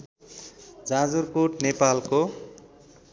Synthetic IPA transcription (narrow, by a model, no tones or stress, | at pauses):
d͡zãd͡zurkoʈnepalko